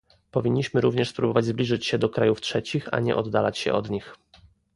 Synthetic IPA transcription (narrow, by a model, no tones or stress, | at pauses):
pɔvʲiɲːiɕmɘɾuvɲɛʂspɾubɔvad͡ʑzblʲiʐɘt͡ɕɕɛd̪ɔkɾajuftʂɛt͡ɕixa̰ɲɛ̰ʔɔd̪ːalat͡ɕɕɛ̰ʔɔ̰d̪ɲix